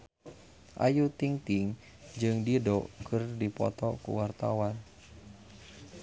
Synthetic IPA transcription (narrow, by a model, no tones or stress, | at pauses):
ʔa̰jut̪iŋt̪iŋ | d͡ʒɨŋdidɔkʰɨrdipɔ̰t̪ɔkṵwart̪a̰wan